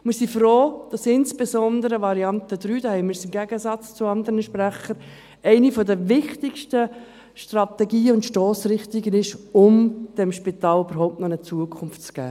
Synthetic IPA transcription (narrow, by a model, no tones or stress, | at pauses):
mɪɾsifɾoːd̥ɑsɪnsb̥ezɔndəɾəʋɑɾiɑnt̪əd̪ɾyːd̥ahɛɪmɪɾsɪmɡæɡəsɑt͡st͡sʊɑnd̪əɾənəʃpræχəɾ | ɛɪnifɔdəvɪχtɪkʃtə | ʃtrɑt̪ɛɡiːʊntʃtɔːsɾɪχtɪɡənɪʃʊmd̥ɛmʃpit̪ɑːlyb̥əɾɦɔʊp̚tnɔnət͡suəkʰʊnftt͡sɡ̥æ̰ː